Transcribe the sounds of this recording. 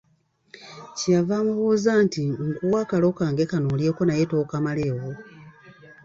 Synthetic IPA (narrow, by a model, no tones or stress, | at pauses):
ciavaːmuβuːzaːntiŋkuwaːkalo̞kaŋɡe̞kanoljeːko̞najetoːkamale̞ːwo